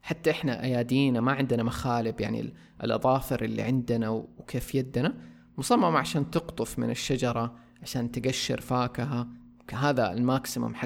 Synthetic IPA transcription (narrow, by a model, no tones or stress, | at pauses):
ħat̪ːaʔɪħnaʔajaːd̪iːnamaʕɪnd̪ɪnamaxaːlɪbja̰ʕnḭ | ʔɪ̰lʔɑ̰ðˤɑːfɪɾʔɪlːḭʕɪnd̪ɪnawwkʰeːfjad̪ːna | mʊsˤɑmːɑmaʕaʃaːnt̪ɨɡt̪ˤʊfmɪ̰nɪʃːad͡ʒɑɾˤɑ | ʕaʃaːnt̪ɪɡaʃːɪ̰ɾfaːkaɦa | kɦaːða̰lmaːksɪma̰mħa